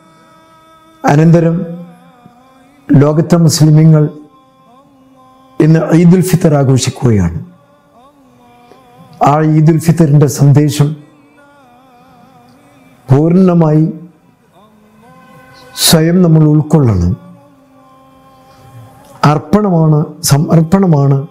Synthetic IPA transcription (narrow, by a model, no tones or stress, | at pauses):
ɐnɐnd̪ɐɾɐm | lo̞ːɡɐt̪ːɐmuslimiŋːɐɭ | e̞nːɨʔɐjd̪ulfit̪ːɐraːɡo̞ːʂikʲːuɣɐja̰ːɳɨ | aːɐjd̪ulfit̪ːɐɾinde̞sɐnd̪e̞ːʂɐm | puːɾɐnːɐmaːji | swɐjɐmnɐmːɐɭuɭkoɭːɐɳɨ̰ | ɐrpɐɳɐmaːɳɨsɐmɐrpɐɳɐmaːɳɨ